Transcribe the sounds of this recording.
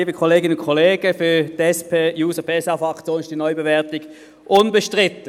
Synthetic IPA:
iːbəkʰɔleːɡɪnəʊnkʰɔleːɡ̥əfyːd̥ɛspʰeːjuːsəpʰeːsɑfɑkt͡sjoːnɪʃtd̥iːnɔʏbevɛɐtɪɡ̥ | ʔʊnbəʃtʁɪtə

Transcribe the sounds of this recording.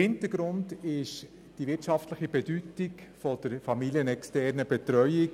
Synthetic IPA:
hɪnt̪əɾɡ̥ɾʊndɪʃ | d̥ivɪtʃɑftləχibɛdytɪkfɔd̥əɾfɑmiljənɛkstɛɾnəbɛt̪ɾœʏɪk

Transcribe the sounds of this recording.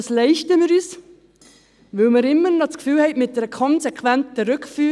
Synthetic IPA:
slɛɪʃtəmɪɾyːs | ʋɵwmɪɾɪmːənɔt͡skfyːlhɛɪtmɪt̚dɛɾəkʰɔnsɛkʰʋæntəɾʉkfyː

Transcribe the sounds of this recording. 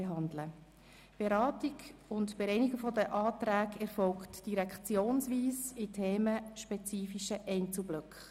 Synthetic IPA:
eɦɑndlə | b̥eɾɑːtiɡʊntb̥ɪɾɛɪniɡəfɔdəʔɑːtɾæːkɛɾfɔlktd̥iɾɛkχt͡sjoːnsʋiːsɪtʰeːməʃpɛt͡siːfiʃəʔɛɪnt͡sl̩blʏkχ

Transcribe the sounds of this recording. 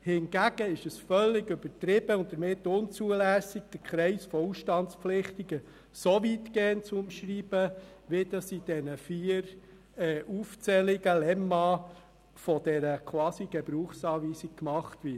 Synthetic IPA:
hɪnɡ̥æɡ̥əɪʃəsfœlːɪɡʏbətɾɪb̥əʊnt̚dəɾmɪtːʊnt͡suəlæːsɪɡ̚d̥əɾkʰχɾɛɪsfɔuʃtɑntt͡spflɪχtiɡ̥ə | soʋitkeːəntt͡sʊmʃɾiːb̥əʋɪd̥ɑsid̥ɛnəfiːəɾ | ɛːʔuft͡sɛlɪɡəlɛmɑː | fɔd̥ɛɾəkʰwɑːsiɡ̥ɛbɾuːχsɑːʋiːsik̚kmɑχtʋɪ

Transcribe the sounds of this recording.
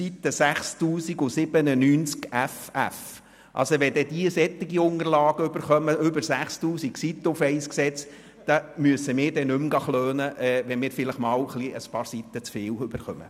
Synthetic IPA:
sit̪ːəsæχst̪uːsiɡʊsɪb̥ənənyːnt͡skæfæ̰f | ʔɑ̰lsoʋɛd̥̪ɛd̪iəsɛt̪ːiɡiʊnəɾlɑːɡəʏbəɾχœməʏbəɾsæχst̪uːsiksit̪ːəʊfɛɪsksɛt͡s | d̥ɑmyəsəmɪːɾdɛnʉmɡɑχløːnəʔɛːʋɛnmɪːɾfɪləχmɑːləχliəspɑːɾsit̪ːət͡sfɪːlwʏb̥əɾχœmə̰

